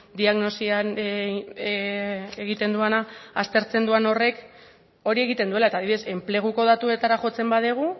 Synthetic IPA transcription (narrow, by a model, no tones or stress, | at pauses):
d̪iaɣno̞sian | eɣit̪e̞nd̪uanaast̪e̞ɾt͡se̞nd̪uano̞re̞k | o̞ɾie̞ɣ̞it̪e̞nd̪ue̞lae̞t̪aðiβiðe̞se̞mple̞ɣ̞uko̞ðat̪ue̞t̪aɾaχo̞t͡se̞mbað̞eɣ̞u